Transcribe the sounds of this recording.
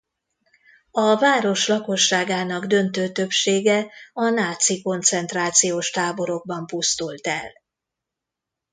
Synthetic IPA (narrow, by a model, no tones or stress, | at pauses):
ɒvaːɾo̞ʃlɒko̞ʃːaːɡaːnɒɡd̪ø̞nt̪øːt̪ø̞pʃeːɡɛɒnaːt̪siko̞nt̪sɛnt̪raːt̪sijoːʃt̪aːbo̞ɾo̞ɡ̚bɒmpust̪ult̪ɛ̰l